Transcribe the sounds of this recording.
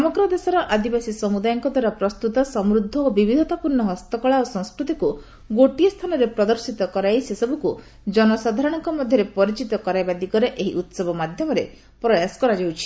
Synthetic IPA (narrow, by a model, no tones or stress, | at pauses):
sɔmɔɡɾɔd̪esɔɾɔʔad̪ibasisɔmud̪ajɔŋkɔd̪ʱwaɾɔpɾɔst̪ut̪ɔsɔmɾud̪ʱːɔobibʱid̪ʱɔt̪apuɾɳɔɦɔst̪ɔkɔɭaosɔ̃ŋskɾut̪iku | ɡoʈijɔst̪ʰanɔɾepɾɔd̪ɔɾsit̪ɔkɔɾaisesɔbuku | d͡ʒɔnɔsad̪ʱaɾɔɽ̃ɔŋkɔmɔd̪ʱjɔɾepɔɾit͡ʃit̪ɔkɔɾajbad̪iɡɔɾeʔeɦiʔut̪sɔbɔmad̪ʱjɔmɔɾḛ | pɾɔjasɔ̥kɔɾad͡ʒawt͡ʃʰi̥